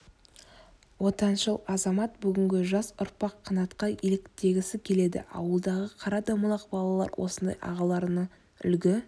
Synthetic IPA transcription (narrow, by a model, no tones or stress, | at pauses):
wo̞t̪ɑnʃəlˠɑzɑmɑt̪̚bʏɡʲɪŋɡʲɪʒɑsʊɾpɑqʰːɑnɑt̪qɑilɪkt̪e̞ɡʲɪsɪkʲʰe̞le̞d̪ɪ̰ɑ̰wəlˠd̪ɑʁəqʰɑɾɑd̪ɑmʊlˠɑqbɑlˠɑlˠɑ̰ɾwʔo̞̰sənd̪ɑ̰jʔɑ̰ʁɑlˠɑɾnə | ʏ̰lɡʲɪ